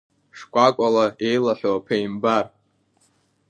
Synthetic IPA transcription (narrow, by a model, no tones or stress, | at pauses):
ʂkʷʼakʷʼalae̞jlaħʷᶣopʰejmbar